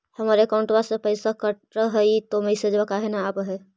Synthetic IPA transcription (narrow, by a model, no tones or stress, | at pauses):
həmaɾekaʊ̃ɳʈbasepəjsakəʈɾəɦəit̪oməɪsed͡ʒbakaɦenaːbɦɛ